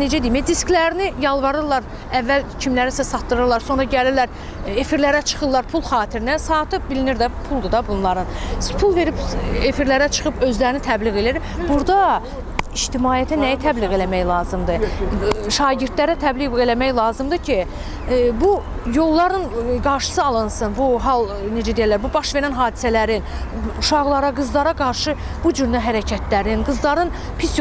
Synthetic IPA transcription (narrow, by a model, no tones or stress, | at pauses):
ne̞d͡ʒæd̪imed̪isklæɾinijɑlˠvɑɾɯɾlˠɑɾ | ævːælcʰimlæɾisæsɑt̪ːɯɾɯlˠɑɾso̞nɾɑɟæliɾlæɾ | e̞fiɾlæɾæt͡ʃʰɯ̥χɯlˠɑɾpʰulˠχɑːt̪ʰiɾinæsɑːt̪ʰɯbiliniɾd̪æpʰulˠd̪ɯd̪ɑbunlˠɑɾɯnpʰulˠve̞ɾibefiɾlæɾæt͡ʃʰɯ̥χɯbø̞zlæɾinit̪ʰæbliɣe̞liɾi | buɾd̪ɑ | iʃt̪imɑːijæt̪ʰænæjæt̪ʰæbliɣe̞læmæjlˠɑːzɯmd̪ɯ | ʃɑːɟiɾt̪læɾæt̪ʰæbliɣelæmæjlˠɑːzɯmd̪ɯcʰi | bujo̞lˠːɑɾɯnɡɑɾʃɯ̥sɯɑlˠɯnsɯnbuɦɑlˠ | ned͡ʒæd̪ejælːæɾbubɑʃve̞ɾænɦɑːd̪i̥sælæɾinuʃɑɣlˠɑɾɑɡɯzlˠɑɾɑɡɑɾʃɯ | b̥ud͡ʒyɾnæɦæɾæcʰæt̪ʰlæɾinɡɯzlˠɑɾɯn | pʰis